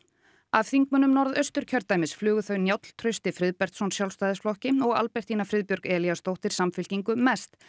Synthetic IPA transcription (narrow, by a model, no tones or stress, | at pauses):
avθiŋk̚mʏnʏmnɔɾðœɥst̪ʏɾ̥cʰœɾt̪ːajmɪsflʏːɣʏθœɥnjawt̪l̥t̪ʰɾœɥst̪ɪfɾɪðpɛr̥t̪sɔnsjawlst̪aːjðɪsflɔhcɪɔɣa̰lpɛr̥t̪inafɾɪðpjɔɾkɛːljast̪owht̪ɪɾ̥samfɪl̥ciŋkʏmɛst̪